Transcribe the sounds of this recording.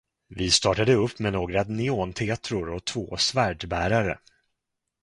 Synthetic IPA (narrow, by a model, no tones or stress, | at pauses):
vɪst̪ɑːʈad̪əɵpːmɛnoːɡɾanɪoːnt̪ʰet̪ɾʊɾɔt̪ʰvoːsvæːɖbæːɾaɾə̰